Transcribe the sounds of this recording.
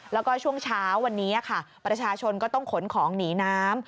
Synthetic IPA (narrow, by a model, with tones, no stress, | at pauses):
lɛː˦˥wkɔː˥˩t͡ɕʰu˥˩əŋt͡ɕʰaː˦˥wːa˧nːiː˦˥ʔa˨˩kʰa˥˩pɾa˧t͡ɕʰaː˧t͡ɕʰo˧nkɔː˥˩t̪ɔ˥˩ŋkʰo˩˦nkʰɔː˩˦ŋniː˩˦naː˦˥m